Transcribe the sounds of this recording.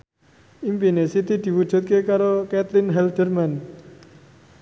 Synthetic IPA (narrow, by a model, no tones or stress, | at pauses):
impinesit̪id̪̥i̤wud̥ʒ̥ṳt̪̚kekaɾokɛt̪lɪnɦɛld̪̥ərman